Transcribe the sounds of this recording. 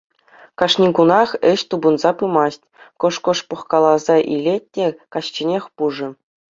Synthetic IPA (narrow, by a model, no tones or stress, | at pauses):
kɑʂnʲikunɑχɘ̆ɕt̪ubunzɑpɯmɑsʲtʲkŏʂkɤ̆ʂpɤ̆χkɑlˠɑzɑʔilʲet̚ʲtʲːekɑɕt͡ɕinʲexʲpuʐɘ̆